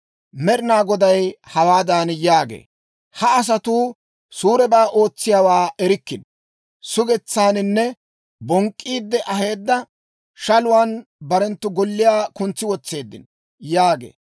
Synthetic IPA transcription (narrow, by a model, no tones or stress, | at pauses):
mɛɾɪnaːɡɔd̪ɐjhɐwaːd̪aːnjaːɡḛː | hɐːs̬ɐt̪uː | suːɾɛbaːʔo̞ːt͡sːɪjaːwaːɛɾɪkːɪn | sʊɡɛt͡sːaːnɪnːɛ | bɔŋkʼːiːd̪ːɛʔɐɦe̞ːd̪ːɐ | ʃɐlʊwaːnbɐɾɛnt̪ːʊɡɔlːɪjaːkʊnt͡sːɪwɔt͡sːe̞ːd̪ːɪ̰n | jaːɡḛː